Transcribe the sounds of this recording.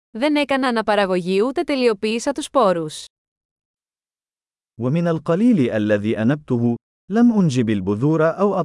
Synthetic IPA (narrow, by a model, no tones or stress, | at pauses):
ðe̞ne̞kɐnɐːnɐpɐɾɐɣo̞ʝiut̪e̞t̪e̞lio̞piːsɐt̪uspo̞ɾus | wamɪnalqɑliːlɪʔalːaðiːʔanab̚t̪ʊɦʊ | lamʔʊnd͡ʒɪbalbʊðuːɾaʔawʔɑ